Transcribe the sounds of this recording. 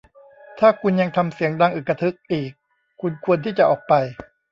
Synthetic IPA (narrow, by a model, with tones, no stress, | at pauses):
t̪ʰaː˥˩kʰu˧nja˧ŋt̪ʰa˧msi˨˩˦əŋdaː˧ŋʔɯː˨˩kːa˧t̪ʰɯ˦˥k̚ʔiː˨˩kʰː | u˧nkʰu˧ənt̪ʰiː˥˩t͡ɕa˨˩ʔɔː˨˩k̚pa˧j